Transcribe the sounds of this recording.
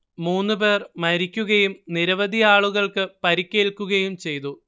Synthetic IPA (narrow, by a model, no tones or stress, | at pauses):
muːnːɨpe̞ːrmɐɾikʲːuɣɐjumniɾɐʋɐd̪ʱijaːɭuɣɐɭkɨpɐɾikʲːe̞ːɭkːuɣɐjumt͡ɕe̞jt̪u